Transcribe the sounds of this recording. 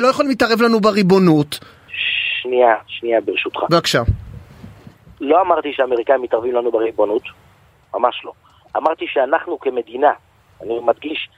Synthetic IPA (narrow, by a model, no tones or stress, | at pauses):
lojaχolimitaʁevlanubeʁibo̞nut̪ | ʃniaʃniabeʁeʃut̪χabeakʃa | lo̞amaʁt̪iʃeameʁikaimit̪aʁvimlanubeʁibonut̪ | mamaʃlo̞ | ʔa̰maʁt̪iʃeanaχnukeme̞d̪ina | animad̪ɡiʃ